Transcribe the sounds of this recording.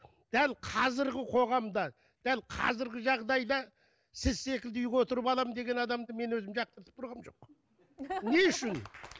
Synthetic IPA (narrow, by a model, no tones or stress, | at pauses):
d̪̥ælqʰɑzɪɾɡʲɪqʰo̞ʁɑmd̪ɑ | d̪̥ælqʰɑ̰zɪɾɡʲɪʒɑʁd̪ɑjd̪ɑ | sɪzse̞kʲɪld̪ɪʏjkwo̞t̪əɾəpɑlˠɑmənd̪e̞ɡʲe̞nɑd̪ɑmd̪əme̞nwɵzɪmʒɑq̚t̪əɾt̪ʰə̥p̚t̪ʊɾʁɑmʒo̞̰q | ne̞ʏʃɪn